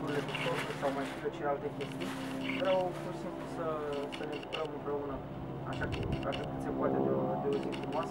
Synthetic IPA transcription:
uɾile̞k̪ut̪osusawmajʃifet͡ʃelealt̪ekʲest̪unʲ | vɾawpursimplusəsəned̪ukɾəmɨmpɾe̞unə | a̰ʃakukak̪əkɨt̪se̞poat̪ed̪ed̪euzinfuɾumoas

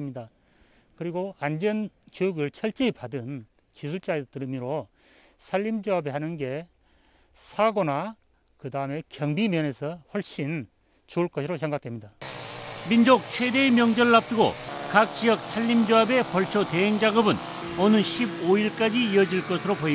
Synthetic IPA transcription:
mɲida | kɯɾiɡoand͡ʑʌnkiuɡɯɭt͡ɕʰʌɭt͡ɕ͈epadɯn | t͡ɕis̬ʰuɭt͡ɕ͈atɯɾɯmiɾo | sʰaʎːimd͡ʑoabeɦanɯnɡe̞ | sʰaɡona | kɯdaɯme̞kjʌŋbimjʌne̞sʰʌɸwʌɭɕ͈in | t͡ɕuːɭk͈ʌsʰɯɾos̬ʰe̞ŋɡak̚d̥ʰemɲida | mind͡ʑok̚t͡ɕʰwedemjʌŋd͡ʑʌɭːap̚t͈ɯɡo̰kak̚t͡ɕiʌk̚sʰaʎːimd͡ʑoabe̞pʌɭt͡ɕʰot̪eɦeŋd͡ʑaɡɯbɯn | onɯnɕʰiboiɭk͈ad͡ʑiiʌd͡ʑiɭk͈ʌsʰɯɾopoi

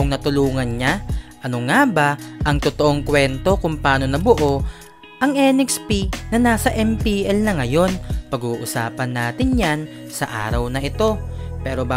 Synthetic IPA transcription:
ʔoŋnɐt̪ʊluːŋɐnɲaʔɐnoŋabaʔɐŋt̪ot̪oʔoŋkwɛnt̪o̞kʊŋpaːno̞nɐbʊʔo̞ | ʔɐŋʔɛːnɛkspinɐnaːsɐʔɛmpiʔɛlnɐŋɐjo̞npɐɡuːʔʊsa̰ːpɐnːaːt̪ɪnjansɐʔa̰ːɾɐwnɐʔɪt̪o̞pɛːɾo̞ba

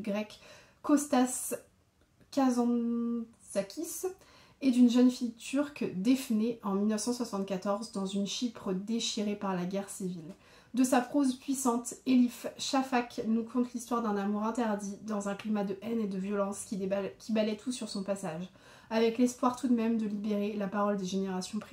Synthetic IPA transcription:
ɡʁɛkː | ɔst̪as | kazɑ̃ | sakʰʲis | ed̪ynʒənfijt̪ʰyʁkd̪efneɑ̃milnəfsɑ̃swasɑ̃t̪kat̪ɔʁzd̪ɑ̃zynʃipχəd̪eʃiʁepaʁlaɡʲɛʁsivil | d̪əsapχozpɥisɑ̃t̪elifʃafaknukʰɔ̃t̪list̪waʁd̪ɛ̃namuʁɛ̃t̪ɛʁd̪id̪ɑ̃zɛ̃klimad̪əʔɛned̪əvjɔlɑ̃skʲʰibalɛt̪ʰusːyʁsɔ̃pasaʒ | avɛklɛspwaʁt̪ud̪mɛmd̪əlibeʁelapaʁɔld̪eʒeneʁasjɔ̃pχe

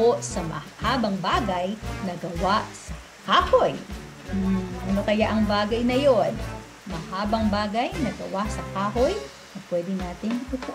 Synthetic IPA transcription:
osɐmɐ̰haːbɐŋbaːɡɐjnɐɡɐwasɐ̥ | kaːhoj | m̩ːʔɐnokɐjaʔɐŋbaːɡɐjnɐjon | mɐhaːbɐŋbaːɡɐjnɐɡɐwaʔsɐkaːɦo̞j | nɐpwɛːd̪ɪnaːt̪ɪŋt̪up̪ʊ

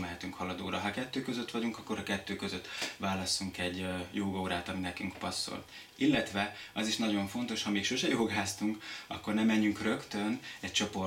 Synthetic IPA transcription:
mɛɦɛt̪yŋkhɒlɒd̪oːɾɒɦɒkɛt̪ːøːkøzøt̪ːʋɒɟuŋkɒkːo̞ɾɒkɛt̪ːøːkø̞zøt̪ːʋaːlɒsːuŋkɛɟːjoːɡɒoːɾaːt̪ɒminɛkyŋkpɒsːo̰l | ilːɛt̪ʋɛɒziʃnɒɟo̞ɱfo̞n̪t̪o̞ʃhɒmeːkʃo̞ʃɛjoːɡaːst̪uŋkɒ̰kːo̞rnɛmɛɲːyŋkrø̞kt̪ønɛc̚t͡ʃo̞po̞

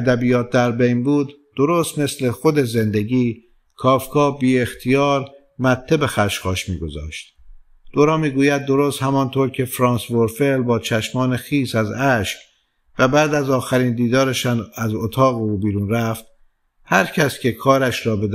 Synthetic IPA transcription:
d̪æbijɒːt̪̚d̪æɾbejnbuːd̪ːo̞ɾoːst̪me̞sle̞xo̞d̪e̞ze̞nd̪eɟiː | kʰɒːfkʰɒːbiːe̞xt̪ʰijɒːɾ | mæt̪ʰːe̞be̞xæʃxɒːʃmḭːɡo̞zɒ̰ːʃt̪̚ | d̪̥oɾɒːmiːɡuːjæd̪̚ːo̞ɾost̪hæmɒːnt̪ʰoːɾcʰe̞fɾɒːnsvoɾfelbɒːt͡ʃʰæʃmɒːne̞xiːsæzæʃk | væbæːd̪æzɒːxæɾiːnd̪iːd̪ɒːɾeʃænæzot̪ʰɒːɣeuːbiːɾuːnɾæft̪̚ | hæɾcʰæscʰe̞kʰɒːɾæʃɾɒːbe̞d̪

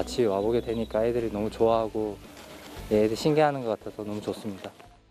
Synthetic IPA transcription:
at͡ɕʰiwaboɡedwe̞ɲik͈aedɯɾinʌmut͡ɕoaɦaɡo | jeedɯɕʰinɡeɦanɯnɡʌk͈atʰesʰʌnʌmut͡ɕʌs͈ɯmɲida

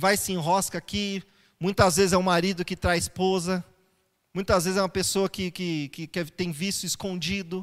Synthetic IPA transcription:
vajsĩɦɔskɐki | mũj̃t̪ɐzvezɪzɛũmaɾid̪ʊkɪt̪ɾaɪspozɐ | mũj̃t̪ɐzvezɪzɛũmɐpesoɐkɪkɪkɪkɛt̪ẽj̃visʊiskõd͡ʒid̪ʊ

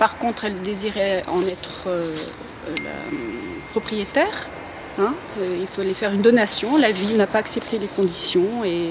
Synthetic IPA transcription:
paʁkɔ̃t̪χɛld̪eziʁɛɑ̰̃nɛt̪χø | la̰ | pχɔpχijet̪ɛːʁ | ɛ̃øilfolefɛʁynd̪ɔnasjɔ̃lavinapaːksɛp̚t̪elekɔ̃d̪isjɔ̃e

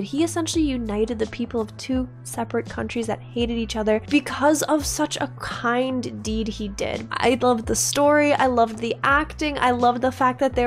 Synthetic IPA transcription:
d̚iɨsɛ̃nʃl̩ˠijʉnaɪɾɨd̪̚ðɨpʰipl̩ˠʌv̥tʰʉ | sɛpɹɨt̚kʰʌ̃nt͡ʃɹ̥izðɨ̰t̚heɪɾɨɾit͡ʃʌðə˞b̥ɨkʰʌzʌv̥sʌt͡ʃə̰kʰãɪ̃ndid̚idɪ̰d̥̚ʔa̰ɪlʌvðəstɔɹia̰ɪlʌvðiʔæktɪ̃ŋa̰ɪlʌvðəfæk̚ðɨt̪̚ðə

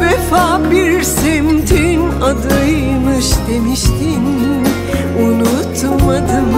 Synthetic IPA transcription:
vɛfaːbiɾsemt̪ʰinad̪ajmɯʃd̪e̞miʃt̪ʰin | unut̪mad̪ɯm

